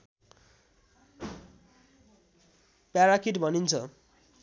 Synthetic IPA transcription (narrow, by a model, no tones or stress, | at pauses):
pjaɾakiʈbʱʌnint͡sʰʌ